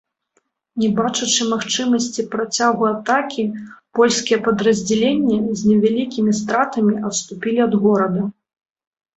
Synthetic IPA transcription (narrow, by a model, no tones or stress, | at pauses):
nʲɛbat͡ʂut͡ʂɨmaxt͡ʂɨmɐsʲt͡sʲipɾat͡sʲaɣuat̪akʲipɔlʲsʲkʲijɛpɐd̪ɾɐzʲd͡zʲɛlʲenʲːɛzʲnʲɛvʲalʲikʲimʲist̪ɾat̪ɐmʲiɐt̪st̪upʲilʲiɐd̪ɣɔɾɐd̪ɐ